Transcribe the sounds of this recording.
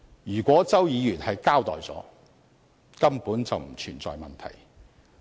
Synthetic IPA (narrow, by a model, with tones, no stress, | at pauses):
jyː˨˩kʷwʷɔː˨˥t͡sɐ˥wjiː˨˧jyː˨˩nhɐ˨jkaː˥wt̪ɔː˨˩jt͡sɔ̰ː˨˥ | kɐ˥mpuː˨˥nt͡sɐ˨wm̩˨˩t͡ʃʰyː˨˩nt͡sɔ̰ː˨˧jmɐ˨nt̪ʰɐ̰˨˩j